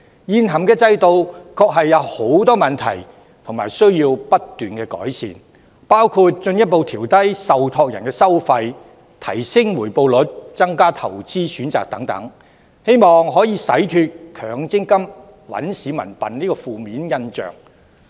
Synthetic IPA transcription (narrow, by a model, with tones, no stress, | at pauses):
jiː˨nɦɐ˨˩mkɛː˧t͡sɐ˧jt̪o˨˧wkʰɔː˧k̚ɦɐ˨jːɐ˨˧who˨˥wt̪ɔː˥mɐ˨˩nt̪ʰɐ̰˨˩j | t̪ʰʊ˨˩ŋmaː˨˩jsɵ˥ɥjiː˧wpɐ˥t̚t̪yː˨nkɛː˧kɔ̰ː˨˥jsḭː˨˩n | paː˥wkʰu˧t̚t͡ʃɵ˧njɐ˥t̚po˨wt̪ʰiː˨˩wt̪ɐ˥jsɐ˨wt̪ʰɔː˧k̚jɐ˨˩nkɛː˧sɐ˥wfɐ˧j | t̪ʰɐ̰˨˩jsɪ˥ŋwuː˨˩jpo˨˧wlɵ˨˥t̚t͡sɐ˥ŋkaː˥t̪ʰɐ˨˩wt͡siː˥syː˨˥nt͡sa̰ː˨k̚t̪ɐ̰˨˥ŋt̪ɐ̰˨˥ŋ | he˥jmɔː˨ŋɦɔː˨˥jiː˨˧sɐ˨˥jt̪ʰyː˧t̚kʰœː˨˩ŋt͡sɪ˥ŋkɐ˥m | wɐ̰˨˥nsiː˨˥mɐ̰˨˩npɐ˨˩nliː˥kɔː˧fuː˨˧miː˨˥njɐ˥nt͡ʃœ̰ː˨ŋ